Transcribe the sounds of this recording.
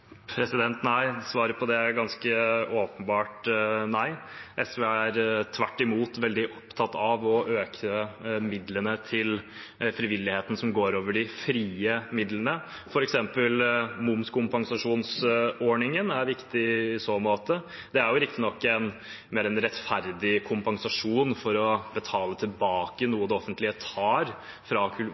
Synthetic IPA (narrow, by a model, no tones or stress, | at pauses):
pʰɾɛsɪd̪ɛnt̪næɪsʋɑːɾəpʰɔd̪ɛɡɑnskəoːpənbɑːʈnæɪʔɛsʋeːæɾt̪ʰʋæʈːɪmuːt̪ʋɛld̪ɪʔɔpt̪ʰɑt̪ːɑʋɔʔøːkʰəmɪd̪lənət̪ʰɪl | fɾɪʋɪlːɪheːt̪ən̩sɔmɡoːɾoːʋəɖɪfɾiːəmɪd̪lənə | fɔɾɛksɛmpəlmʊmskʰʊmpɑŋsɑʂuːnsɔɳɪŋənæɾʋɪkt̪ɪɪsoːmoːt̪ə | d̪̥ɛæɾjʊɾɪk̚t̪ɪnɔkːæn | meːɾɛnɾɛt̪fæɾd̪ɪkʰʊmpɑŋsɑʂuːnfɔɾɔbət̪ʰɑːlət̪ʰɪlbɑːkənuːəd̪ɛɔfənt̪lɪət̪ʰɑːɾ | fɾɑkʰʉ